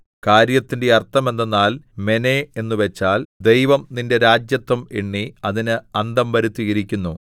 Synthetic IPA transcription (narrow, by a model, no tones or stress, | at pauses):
kaːɾjɐt̪ːinde̞ɐrt̪ʰːɐme̞nːenːaːlme̞nee̞nːuʋe̞t͡ɕːaːld̪e̞jʋɐmninde̞ɾaːd͡ʑjɐt̪ːɐmeɳːiɐðinɨɐnd̪ɐmʋɐɾut̪ːiɣɐɾikʲːunːu